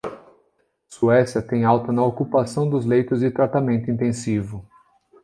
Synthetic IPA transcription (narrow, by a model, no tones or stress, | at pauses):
suɛsjɐt̪ẽj̃awt̪ɐnɐokupasɐ̃w̃d̪ʊzlejt̪ʊzd͡ʒɪt̪ɾat̪amẽnt̪ʊĩt̪ẽsivʊ